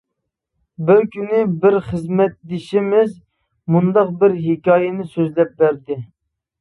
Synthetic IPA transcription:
bɪɾkʲynɪbɪɾχəzmɛt̪̚d̪ɪʃɪmɪz | mund̪ɑq̚bɪɾɦɪkʲɑːjɛnɪsøzlɛp̚bæɾd̪ɪ

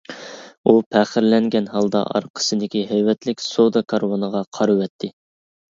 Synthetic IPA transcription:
upʰæχɪɾlɛŋɡʲɛnhɑlˠd̪ɑ̰ʔɑ̰ɾqʰə̥sɨd̪ɪkʲiɦɛjwɛt̪lɪkʲsod̪ɑkʰɑɾwɑnəʁɑqʰɑɾɨwɛt̪ʰːɪ

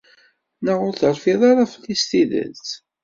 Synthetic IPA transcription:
nəʁʊɾθəɾfiðˤɑɾaflist̪iðə̰nt̪

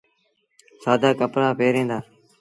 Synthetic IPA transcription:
saːd̪aːkəpɾaːpeːɾẽːnd̪aː

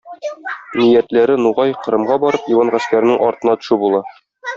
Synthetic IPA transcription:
nijæt̪læɾɘnuʁɑjqɤ̆ɾɤ̆mʁɑbɒɾɤpjiwɑnʁæskæɾɘ̆nɘŋʔɒɾt̪ɤ̆nɑt̪ŏ̥ʃubulˠɑ

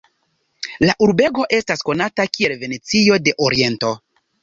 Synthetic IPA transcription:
laʔuɾbe̞ɡo̞ʔe̞stasko̞natakie̞lve̞ne̞t͡sio̞de̞ʔoɾie̞nto̞

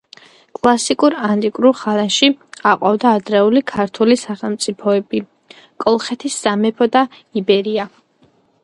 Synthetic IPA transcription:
kʼlˠasikʼuɾant̪ʼikʼɾuχaɾaʃiaqʼwavd̪aːd̪ɾɛulikʰaɾt̪ʰulisaχɛlˠmt̪sʼipʰɔɛbi | kʼɔlˠχɛt̪ʰisːamɛpʰɔd̪a | ibɛɾia

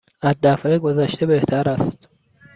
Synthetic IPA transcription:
æd̪ːæfeɡozæʃt̪ebeht̪ʰæɾæst̪

